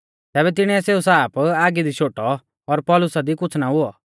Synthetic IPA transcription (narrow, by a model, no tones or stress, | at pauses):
t̪ɛːbɛt̪̬ɪɽ̃ɛ̃ɛseːusaːpaːɡid̪iʃoːʈɔ | ɔɾpɔlʊsad̪ikʊt͡sʰnaɦʊɔ